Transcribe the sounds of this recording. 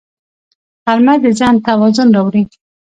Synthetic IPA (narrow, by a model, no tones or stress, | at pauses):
aɾmad̪əzɑnt̪awɑzʊnɾɑwɾi